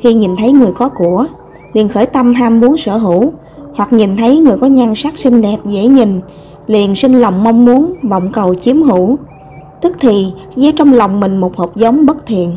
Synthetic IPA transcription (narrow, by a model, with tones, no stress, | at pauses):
xi˧ɲi˨˩nt̪ʰə˨˦jŋɨ˨˩əjkɔ˨˦ku˧˩ə | li˨˩ənxəː˧˩jt̪a˧mɦaː˧mːu˨˦ənsə̰ː˧˩ɦu˧˩ | hwa˨˩k̚ɲi˨˩nt̪ʰə˨˦jŋɨ˨˩əjkɔ˨˦ɲa˧ŋsaː˦˥k̚sï˧ŋ̟ɗɛ˨˩p̚zḛ˧˥ɲi˨˩ŋ̟ | li˨˩ənsï˧ŋ̟lə˨˩wŋ͡mma˧wŋ͡mmu˨˦ənvɔ̰˧˨wŋ͡mkə˨˩wt͡ɕi˨˦əmɦu˧˩ | t̪ɨ˦˥k̚t̪ʰi˨˩zə˨˦t͡ɕɔ˧wŋ͡mlə˨˩wŋ͡mmï˨˩ŋ̟mo˨˩t̚hoː˨˩p̚zə˨˦wŋ͡mɓə˦˥t̚t̪ʰḭ˨˩˨ən